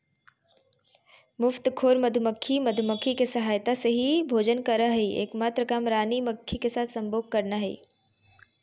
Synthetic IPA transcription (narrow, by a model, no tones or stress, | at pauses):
mʊft̪kʰoːɾmɐd̪ʱməkʰːimɐd̪ʱməkʰːikesɐɦaːjt̪aseɦibʱoːd͡ʒənkɐɾaɦeiḛːkmaːt̪ɾəkaːmɾaːniməkʰːikesaːt̪ʰsɐ̃mboːɡ̚kɐɾnaɦḛː